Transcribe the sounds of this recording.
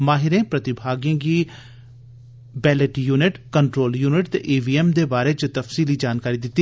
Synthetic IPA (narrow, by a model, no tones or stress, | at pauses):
maːɦɪɾẽːpɾət̪ɪbʱaːɡjẽɡiː | bɛːlɪʈjuːnɪʈkəɳʈɾoːljuːnɪʈt̪ḛʔeːbiːɛmd̪eːbaːɾeːt͡ʃt̪əfsiːlid͡ʒaːnkaːɾid̪ɪt̪ːi